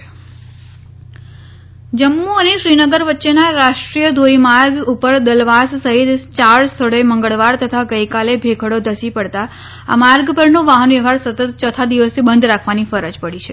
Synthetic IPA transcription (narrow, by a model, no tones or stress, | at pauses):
d͡ʒəmːuəneʃɾinəɡəɾʋətːʃenaɾaʃʈɾijəd̪ʱoɾimaɾɡupəɾd̪əlʋassəɦit̪t͡ʃaɭst̪ʰəɭeməŋɡəɭʋaɾt̪ət̪ʰaɡəjkalebʱekʰəɽod̪ʱəsipəɽt̪a | a̰maɾɡpəɾnoʋaɦənʋiʋaɾsət̪ət̪t͡ʃət̪ʰad̪iʋəsebənd̪ɾakʰʋanifəɾəd͡ʒpəɽit͡ʃʰe